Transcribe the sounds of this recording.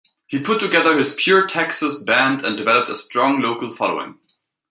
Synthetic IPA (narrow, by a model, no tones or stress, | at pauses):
hipʰʊtʰːɨɡɛðə˞ɪz̥pʰj̥ʊɹtʰɛksəsbæ̃ndɨ̰̃ndɨvɛləp̚təstɹ̥ɔ̃ŋloʊkəl̩ˠfɑlo̰ʊɪ̰̃ŋ